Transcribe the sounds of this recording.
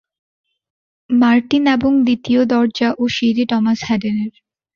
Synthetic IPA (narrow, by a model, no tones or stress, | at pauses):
maɾʈineboŋd̪it̪iod̪ɔɾd͡ʑaʔoʃiɾiʈɔmashɛɖeneɾ